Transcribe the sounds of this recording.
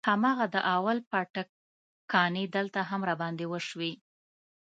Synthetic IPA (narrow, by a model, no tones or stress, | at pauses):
hamɑɣad̪əʔawalpaʈak | kːɑned̪əlt̪aɦamɾabɑnd̪ewəʃwi